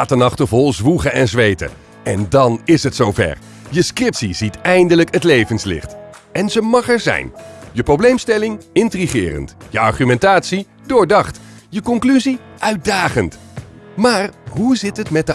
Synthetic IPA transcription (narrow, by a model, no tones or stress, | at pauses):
aːtənɑχtəvɔlˠzʋuχəɛnzʋejtə̰ | ɛndɑnɪsɦətsowvɛ̰ɹ | jəskrɪptsizitɛjndələkətlejvənslɪ̰χt | ɛnzəmɑχɛɹzɛ̰jnjəprowblejmstɛlɪŋɪntriχɪ̰ːrə̰ntjəɑ̰ɹχymɛntaːtsi | dʊːɹdɑχt | jəkɔŋklyzi | ʔœɥt̚daːχənt | maːrɦuzɪtɦətmɛt̚də